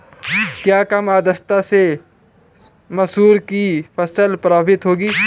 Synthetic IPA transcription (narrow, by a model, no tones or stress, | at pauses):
kjaːkɐmaːd̪əst̪ase | mɐsɦuːɾkifʰɐsəlpɾaːbbɪt̪ɦoːɡiː